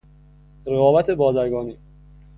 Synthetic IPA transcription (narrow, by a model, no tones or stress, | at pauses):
ɾeɣɒːbæt̪ʰe̞bɒːzæɾɡɒːniː